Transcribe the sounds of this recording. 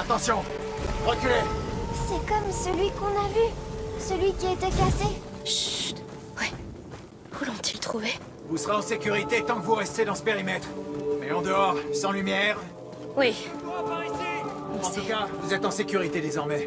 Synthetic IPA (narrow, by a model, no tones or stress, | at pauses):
at̪ɑ̃sjɔ̃ | ʁɔt̪ylɛsɛkɔmsəlɥikɔ̃navysəlɥikʲiɛt̪ɛkase | ʒyt̪ | wi | ulɔ̃t̪ʰilt̪χuve | vusəʁeɑ̃sekʲyʁit̪et̪ɑ̃kəvuʁɛst̪ed̪ɑ̃sə̥peʁimɛt̪χmɛɑ̃d̪əɔʁsɑ̃lymjɛːʁ | wi | vuapaʁɛseɑ̃t̪ukavuzɛt̪ɑ̃sekʲyʁit̪ed̪ezɔʁmɛ